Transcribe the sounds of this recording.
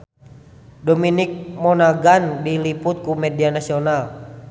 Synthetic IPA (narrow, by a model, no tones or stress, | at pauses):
dɔminik̚mɔnaɡandiliput̪̚kumɛdianasiɔnal